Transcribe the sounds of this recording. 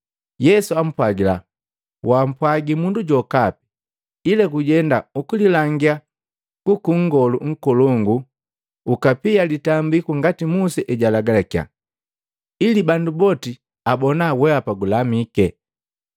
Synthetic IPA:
jɛsuam̩pwaɡila̰ | wam̩pwaɡimunduɟɔkapi̥ | ilakuɟɛndaukulilaŋɡija | kukuŋ̩ɡɔluŋ̩kɔlɔŋɡuː | kapijalitambikuŋɡatimusɛʔɛɟalaɡalakia̰ | ilibandubɔti | abɔnawɛapaɡulamikɛ

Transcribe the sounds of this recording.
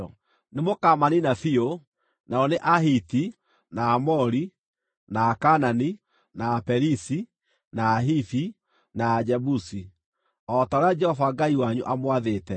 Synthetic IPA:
nemokamaninafio | naɔneʔaɦiti | naːmɔɾi | naːkanani | naːpɛɾisi | naːɦiθi | naːd͡ʒɛbusi | ɔtaɾead͡ʒɛhɔvaɡaiwaɲuʔamwaðeːtɛ

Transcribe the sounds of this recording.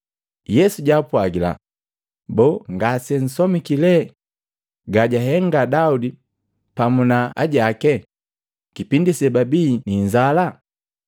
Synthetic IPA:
jɛsuɟapwaɡila̰ | bɔŋɡasɛn̩sɔmikilɛ | ɡaɟaɦɛŋɡadaudi | pamunaa̰ɟakɛ | kipindisɛbabiːniɲzala

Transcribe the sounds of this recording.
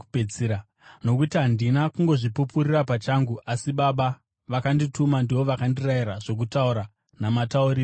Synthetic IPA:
peiɾa | no̞kutiɦandinakuŋɡo̞ʐipupuɾirapat͡ʃaŋɡuʔasiɓaɓa | ʋakanditumandiʋo̞ʋakandiraiɾaʐo̞k̬utauɾa | namatauriːro

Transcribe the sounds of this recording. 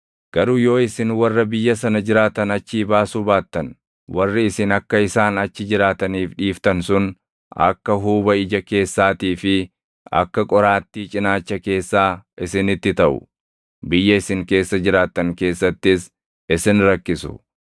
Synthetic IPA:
ɡ̥ɐɾujo̞ːɪsɪnwɐrːɐbɪjːɐsɐnɐd͡ʒɪɾaːt̪ɐnɐt͡ʃːiːbaːsubaːt̪ːɐn | wɐrːɪɪsɪnɐkːɐɪsaːnɐt͡ʃːɪd͡ʒɪɾaːt̪ɐniːfᶑiːft̪ɐnsʊn | ɐ̰kːɐɦuːbɐɪd͡ʒɐke̞ːsːaːt̪iːfɪ | ɐ̰kːɐkʼɔɾaːt̪ːiːt͡ʃʼɪnaːt͡ʃːɐke̞ːsːaːʔɪsɪnɪt̪ːɪt̪ɐʔʊ̰ | bɪjːɐɪsɪŋke̞ːsːɐd͡ʒɪɾaːt̪ːɐŋke̞ːsːɐt̪ːɪs | ɪsɪnɾɐkːɪsʊ̥̰

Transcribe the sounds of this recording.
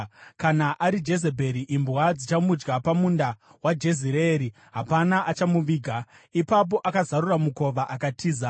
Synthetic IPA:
kanaʔaɾid͡ʒe̞ze̞bʱe̞ɾiʔimbwad͡zit͡ʃamud͡ʒɡapamundawad͡ʒe̞ziɾeɾi | ɦapanaʔat͡ʃamuʋiːɡʱa | ipap̬o̞ʔakazaɾuramuko̞ʋaʔakatʰiːza

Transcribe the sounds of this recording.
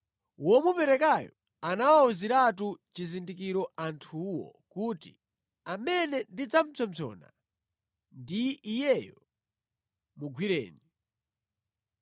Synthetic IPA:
wɔmupɛɾɛkajɔ | anawauziɾatut͡ʃizindikiɾɔʔantʰuwɔ̰kutḭ | amɛnɛndid͡zam̩t͡sʰɔmzɔ̰na̰ | ndiːjɛjɔ | muɡwiɾɛ̰ːni

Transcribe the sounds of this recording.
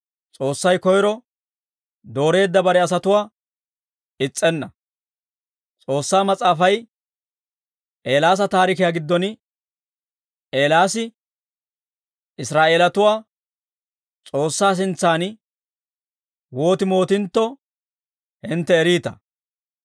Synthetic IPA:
t͡sʼo̞ːsːɐjkɔjɾɔ | d̪o̞ːɾe̞ːd̪ːɐbɐɾɛɐs̬ɐt̪ʊwaː | ɪt͡sʼːɛnːɐ | t͡sʼo̞ːsːaːmɐt͡sʼaːfɐj | ʔe̞ːlaːs̬ɐt̪aːɾɪkɪjaːɡɪd̪ːɔn | ʔe̞ːlaːsɪ | ɪsɾaːʔeːlɐt̪ʊwaː | t͡sʼo̞ːsːaːs̬ɪnt͡sːaːn | wo̞ːt̪ɪmo̞ːt̪ɪnt̪ːɔ | hɪnt̪ːɛːɾiːt̪ɐ̰

